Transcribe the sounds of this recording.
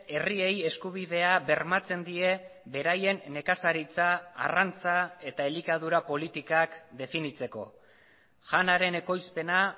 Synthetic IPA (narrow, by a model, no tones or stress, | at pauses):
e̞rie̞je̞skuβ̞iðe̞aβe̞ɾmat͡se̞nd̪ie̞βe̞ɾaje̞nːe̞kasaɾit͡sa̰ːrant͡sae̞t̪aelikað̞uɾapo̞lit̪ikakd̪e̞finit͡se̞ko̞ | ʝanaɾe̞ne̞ko̞jspe̞na